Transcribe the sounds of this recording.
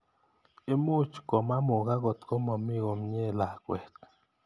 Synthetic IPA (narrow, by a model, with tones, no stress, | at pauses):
e˦mu˦˨t͡ʃko˨ma˦mo˨ɡa˦ɡo˨t̪ko˦mo˨mi˦ɡo˨mɲe˦˨la˨kwe˨k̪